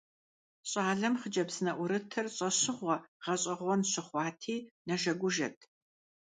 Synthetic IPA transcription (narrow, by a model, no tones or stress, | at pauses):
ɕʼaːɮɐmχəd͡ʒɐbzɨnɐʔʷʊɾɨtʰɐrɕʼɐɕɪʁʷɔʁ̥ɐɕʼɐʁʷɔnɕɪχʷɑːtʰiːnɐʒɐɡʷʊʒɐ̰tʰ